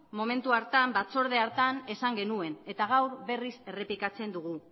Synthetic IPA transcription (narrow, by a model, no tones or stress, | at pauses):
mo̞me̞nt̪uaɾt̪ambat͡so̞ɾð̞e̞aɾt̪ane̞saŋɡe̞nue̞ne̞t̪aɣ̞awɾβe̞rise̞re̞pikat͡se̞nd̪uɣ̞u